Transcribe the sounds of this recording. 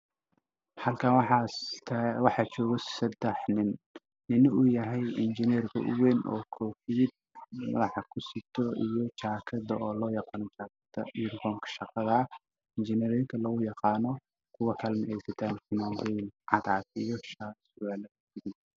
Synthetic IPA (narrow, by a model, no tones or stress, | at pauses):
hɐlkʰaːnwħʰ | wɑħɑːt͡ʃɔːɣɔsɛd̪ɛħnɪnː | ɪnʊjɐɦɛjɪnt͡ʃɪnɛrkʰɐ̰ʔʊ̰wɛːnʔɔ̰ːkʰɔːfid̪̚ | mɐ̰ðɑħɑkʰʊsɪt̪ʰɔijɔt͡ʃaːkʰɐðɐɔːlɔːjɑqɑːnɔt͡ʃaːkʰɐd̪ɐ̰nkʰɔːŋkʰɐ̥ʃɑqɑðɐ | ɪnt͡ʃɪnɛɾɔjɪŋk̪ʰɐlɐɣʊjɑqɑːnɔ | kʰʊwɐkʰɐlmɪʔɛjsɐt̪ʰaːnsɪnawɛjnʕɑd̪aːt̪ijɔʃasʊʔaːlɐkʊsɪɡɪ